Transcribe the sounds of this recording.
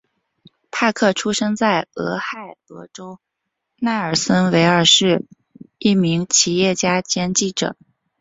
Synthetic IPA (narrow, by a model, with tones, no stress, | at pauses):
pʰa˥˧kʰɤ˥˩ʈ͡ʂʰu˥ʂɤ˥ŋt͡sa˥˩ɪɤ̰˧˥xa˥˩ɪɤ̰˧˥ʈ͡ʂo˥ʊ | na˥˩ə˞˨˩sə˥nwe˧˥ɪə˞˨˩ʂɻ̩˥˧ | i˥˩mi˧˥ŋt͡ɕʰi˧˥jɛ˥˩t͡ɕja˥t͡ɕjɛ˥nt͡ɕi˥˩ʈ͡ʂɤ̰˨˩˦